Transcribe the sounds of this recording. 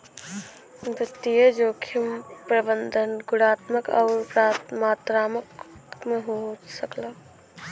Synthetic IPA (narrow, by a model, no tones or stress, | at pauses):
d̪ət̪ijəd͡ʒoːkʰimpɾəbənd̪ʱənɡʊɽaːt̪məka̰ːɾpɾaːt̪maːt̪ɾaːməkmeɦosəkla